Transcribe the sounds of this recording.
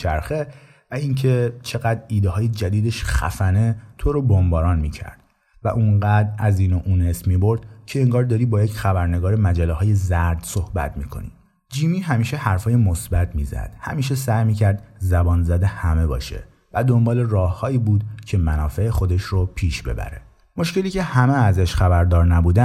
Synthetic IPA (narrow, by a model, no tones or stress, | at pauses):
t͡ʃʰæɾxe̞ | væiŋcʰe̞t͡ʃʰe̞ɣæd̪ɾiːd̪eɦɒːje̞d͡ʒæd̪iːd̪eʃχæ̰fæne̞t̪ʰoɾobombɒːɾɒːnmiːcʰæ̰ɾd̪̥̚ | væʔunɢæːd̪ɾæziːnoʔuːne̞smiːboɾd̪̥cʰe̞eŋɡɒːɾd̪ɒːɾiːbɒːjecxæbæɾneɡɒːɾemæd͡ʒælːeɦɒːje̞zæɾd̪sohbæ̰t̪ʰmḭːkʰo̞̰nḭ | d͡ʒiːmiːɦæmiːʃe̞hæɾfɒːjemo̞sbæt̪ʰmiːzæ̰d̪̥hæ̰miːʃ̬e̞sæjmiːcʰæɾd̪zæbɒːnzæd̪e̞hæme̞bɒ̰ːʃe̞̰ | væd̪o̞mbɒːlerɒːhːɒːiːbuːd̪̥cʰe̞mænɒːfeexo̞d̪e̞ʃropʰiːʃbe̞̰bæ̰ɾe̞̰ | mo̞ʃce̞liːcʰehæmeæzæʃxæbæɾd̪ɒːɾnæbuːd̪æ